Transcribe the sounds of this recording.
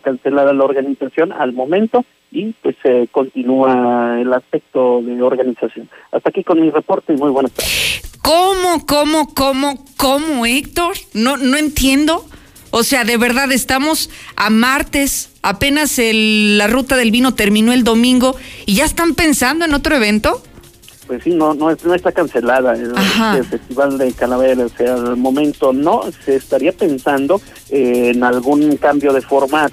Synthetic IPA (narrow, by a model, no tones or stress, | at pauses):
kanselaðalaoɾɣanisasjo̞na̰lmo̞mẽ̞nt̪o | ipweseko̞nt̪inuaelaspek̚t̪oðe̞oɾɣanisasjo̞na̰st̪aːkiko̞nmirepo̞ɾt̪eimujβenaspakomoko̞mokomokomoek̚t̪o̞ɾnono̞e̞nt̪je̞nd̪o̞ː | se̞aðe̞βe̞ɾðaðe̞st̪amo̞samaɾt̪e̞sape̞naselːarut̪aðe̞lβino̞t̪e̞ɾmĩno̞e̞ld̪o̞mĩŋɡo̞iʝaest̪ampe̞nsand̪o̞e̞no̞t̪ɾoe̞β̞e̞nt̪o̞ | pwesːinonoesnoest̪akanse̞laðaelaehaefest̪iβald̪ekalaβeɾaosealmõ̞mẽnt̪onoseːst̪aɾiape̞nsand̪o̞ | eːnalɣuŋkambjo̞ðe̞foɾmat̪